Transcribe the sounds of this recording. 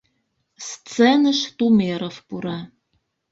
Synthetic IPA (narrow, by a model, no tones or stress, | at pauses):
st͡senəʃt̪umeɾofpuɾɑ